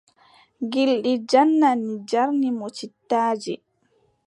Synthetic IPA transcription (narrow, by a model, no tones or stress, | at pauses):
ɡilɗid͡ʒanːanid͡ʒaɾnimot͡ʃitːaːd͡ʒi